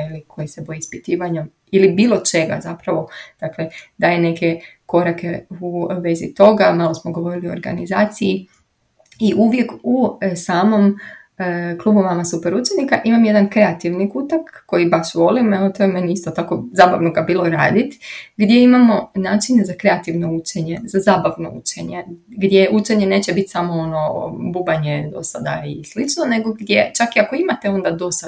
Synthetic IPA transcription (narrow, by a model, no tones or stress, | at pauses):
ilikʰo̞jise̞bo̞jiispit̪iːʋaɲom | ilibiːlˠo̞t͡ʃe̞ɡa̰zapɾaʋo̞d̪̥akle̞d̪aːjene̞ke̞ko̞ɾakʰe̞uʋe̞zḭt̪o̞ɡamalˠosmoɡoʋo̞ɾilioo̰ɾɡa̰nizaːt̪siji | iʔuʋje̞kusaːmo̞m | klˠubuʋamasupeɾut͡ʃenikaʔimamje̞d̪ankɾe̞at̪iʋnikut̪akːo̞jibaʃʋo̞limeʋot̪ojeme̞njeist̪o̞t̪ako̞zaːbaʋnoɡabiːlo̞ɾa̰ːd̪it̪ɡd̪je̞imamo̞naːt͡ʃinezakɾe̞at̪iʋno̞ut͡ʃeɲezazaːbaʋno̞̰ṵt͡ʃeɲeɡd̪ʲjeʔut͡ʃe̞ɲe̞ne̞ːt͡ɕe̞bit̪ʲsamo̞ono̞bubaɲe̞d̪o̞̰sad̪a̰islit͡ʃnone̞ɡo̞ɡd̪je̞t͡ʃakiako̞imat̪e̞o̞nd̪ad̪o̞sa